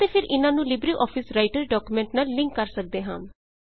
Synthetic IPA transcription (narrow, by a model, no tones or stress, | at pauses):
t̪eːpʰɪɾʔɪnãːnũːlɪbɾiːʔɔːpʰɪsɾaːɪʈəɾɖɔːkuːmɛ̃ːɳʈnaːlːɪ̃ŋkːəɾsək̚d̪eːɦã̰ːm